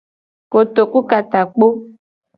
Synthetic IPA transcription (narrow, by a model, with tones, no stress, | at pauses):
ko˨t̪o˨ku˦ka˨t̪a˨k͡po˦